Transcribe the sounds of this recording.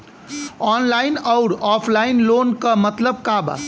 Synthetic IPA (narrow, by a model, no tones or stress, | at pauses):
ɔːnlaːɪnɔʊɾɔːpʰlaːɪnloːnkamɐt̪ləb̚kaːba̰